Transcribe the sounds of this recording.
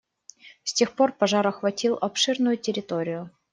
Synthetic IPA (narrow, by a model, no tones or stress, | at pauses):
sʲtʲe̞xpo̞rpɐʐaɾɐxvɐtʲilˠɐpʂɨrnʊjʊtʲɪɾʲɪt̪oɾʲɪjʊ